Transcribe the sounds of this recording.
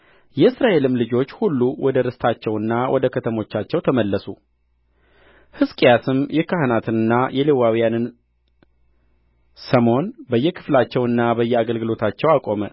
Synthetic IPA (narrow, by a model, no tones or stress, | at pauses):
jɛɨsɾaʔe̞lɨmlɨd͡ʒo̞t͡ʃːhulːuwɔd̪əɾɨst̪ʰat͡ʃːɛwɨnːawʔɔd̪əkʰət̪ʰəmo̞t͡ʃːat͡ʃːɛwt̪ʰəməlːəsu | hɨskʼijasɨmjɛkʰaɦnat̪ʰɨnɨnːajɛlewawijanɨn | səmho̞nbəjːɛkʰɨ̥flat͡ʃːɛwɨnːabəjːɛaɡəlɡɨlo̞t̪ʰat͡ʃːɛwakʼo̞mə